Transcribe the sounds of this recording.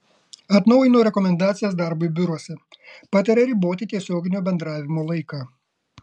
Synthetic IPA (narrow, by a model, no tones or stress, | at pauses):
ɐt̪nɒʊjɪnoːɾʲɛkɔmʲɛnd̪ɑːt̪sʲɪjɛs̬d̪ɑɾbʊibʲʊɾuɔsʲɛpɑːt̪ʲɐɾʲɛɾʲɪˑboːt̪ʲɪt̪ʲiɛsʲoːɡʲɪnʲoːbʲɛnd̪ɾɑːʋʲɪmoːlˠɐɪkɑː